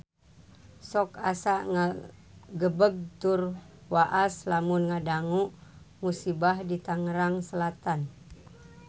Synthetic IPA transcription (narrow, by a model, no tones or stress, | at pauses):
sɔkasaʔŋa | ɡəbəɡ̚t̪ur | waʔaslamunŋadaŋuʔ | musibahdit̪aŋəɾaŋsəlat̪an